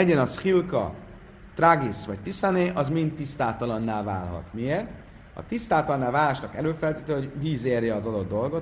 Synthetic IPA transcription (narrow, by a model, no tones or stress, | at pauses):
ɛɟɛnɒsxilkɒ̰ | t̪raɡisʋɒc̚t̪isaneːʔɒzmint̪ːist̪aːt̪ɒlɒnːaːlvaːlɦɒ̰t̪mieːrt̪ | ɒ̰t̪ist̪aːlt̪ɒlɒnːaːlvaːlaʃnɒkɛløːfɛlt̪iːt̪øɦo̞ɟviːzeːrjɛɒzɒd̪o̞d̪ːo̞lɡo̞t̪